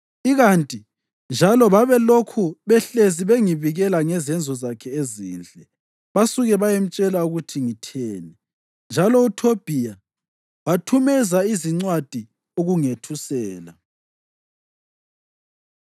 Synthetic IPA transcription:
iɣantʼi | nd͡ʒʱalɔβaβɛlokʰuβɛɬeziβeŋiβiɣɛlaŋɛzɛnd͡zʱɔzakʰɛezḭːnd͡ɮʼʱɛ | βasuɣɛβajem̩t͡ʃʼɛlauɣutʰiŋitʰɛːnɛ | nd͡ʒʱalɔutʰob̥ʱija | watʰumɛzaiziŋ͡ǀwad̥ʱi | oɣuŋetʰusɛːla

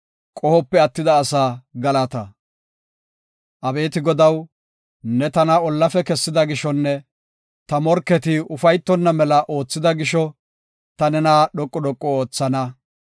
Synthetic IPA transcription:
kʼɔhɔpːɛɐt̪ːɪd̪ɐːsaːɡɐlɐt̪ɐ | ʔɐbe̞ːt̪ɪɡɔd̪ɐw | nɛt̪ɐnɐɔlːɐfɛkɛsːɪd̪ɐɡɪʃɔnːɛ | t̪ɐmɔɾkːɛt̪ɪʊfɐjt̪ːɔnːɐmɛlɐʔo̞ːt͡sːɪd̪ɐɡɪʃɔ | t̪ɐnɛnaːɗɔkʼːɔɗɔkʼːɔoːt͡sːɐnɐ

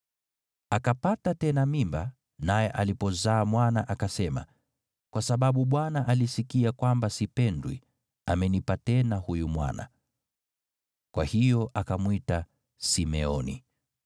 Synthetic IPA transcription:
akapatatɛnamimba | najɛʔalipɔzaːmwanaʔakasɛma̰ | kwasaɓaɓuɓwanaʔalisikiakwambasipɛndwḭ | amɛnipatɛnahujumwa̰na̰ | kwahijɔʔakamwita | simɛɔnḭ

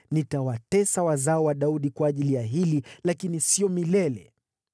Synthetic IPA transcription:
nitawatɛsawazaɔwaɗauɗikwaːʄilijaɦililakinisiɔmilɛlɛ̰

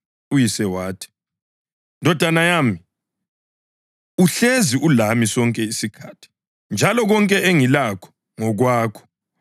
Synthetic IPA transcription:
ujisɛwaːtʰi̥ | ndʱɔd̥ʱanajaːmi | uɬeziulamisɔŋkʼɛisikʰaːtʰi̥ | nd͡ʒʱalɔɣɔŋkʼɛʔeŋilakʰɔ̥ | ŋɔɣwaːkʰɔ̥

